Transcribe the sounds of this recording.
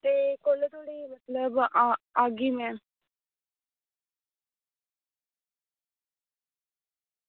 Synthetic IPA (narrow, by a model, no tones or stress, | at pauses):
t̪ekolət̪oɽimɐt̪ləbaɡimɛn